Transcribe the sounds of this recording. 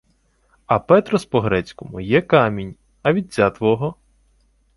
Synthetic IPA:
ɐpɛt̪ɾɔspɔɦɾɛt͡sʲkɔmʊjɛkɑmʲinʲ | ɐʋʲid̪̚ʲt͡sʲat̪ʋɔɦɔ

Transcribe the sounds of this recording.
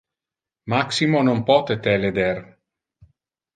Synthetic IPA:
maksimonompɔt̪et̪ɛled̪eɾ

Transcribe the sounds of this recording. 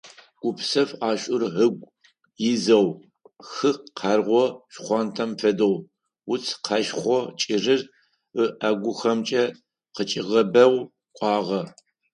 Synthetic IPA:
ɡ̥ʷʊpsɐfaːɕʷʼʊrɦɨɡʷ | jɪzɐw | xɨqʰarʁʷɔɕχʷɑːntʰɐmfɐdow | wʊt͡sʰqʰɐʃχʷɔt͡ʃʼɪrɨr | əʔaɡʷʊxɐmt͡ʃʼɐ | qət͡ʃʼɪʁɐbɐw | kʷʼɑːʁɐ

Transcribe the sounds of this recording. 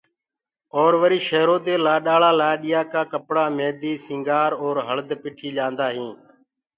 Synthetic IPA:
oːɾʋəɾiːʃeːɾoːt̪eːlaːɗaːlaːlaːɗɪjaːkaːkəpɽaːmeːd̪iːsɪ̃ːŋɡaːɾoːɾɦəɭd̪pɪːʈʰiːʄãːnd̪aːɦĩː

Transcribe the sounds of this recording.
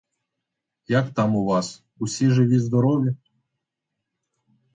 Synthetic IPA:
jakt̪ɑmuvɑs | usʲiʐɨʋʲizd̪ɔɾowlʲa

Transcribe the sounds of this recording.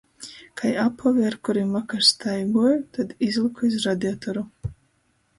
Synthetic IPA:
kʰajapʰɔliaɾkuɾimakaɾst̪ʰajɡuɔjut̪ad̪izlˠikʰuis̬ɾad̪iɔt̪ɔɾu

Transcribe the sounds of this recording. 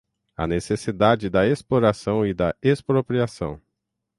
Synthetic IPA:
ɐ̰nesesid̪ad͡ʒɪd̪ɐesploɾasɐ̃w̃ɪd̪ɐespɾopɾiasɐ̰̃w̃

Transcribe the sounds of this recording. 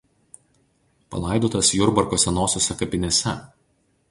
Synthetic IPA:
pɐ̰lˠɐˑɪd̪oːt̪ɐsjʊɾbɐɾkoːsʲɛnoːsʲoːsʲɛkɐpʲɪnʲɛsʲɛ

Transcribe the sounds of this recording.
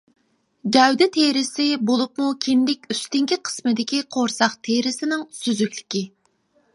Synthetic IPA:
d͡ʒɛwd̪ɪt̪ʰeɾɪsɪbolˠupmukʲʰind̪ɪkʲyst̪ɪŋkʲiqʰə̥smɨd̪ɪkʲiqʰoɾsɑχt̪ʰeɾɪsɪnɪŋsyzykʲlɪ̥kʲi

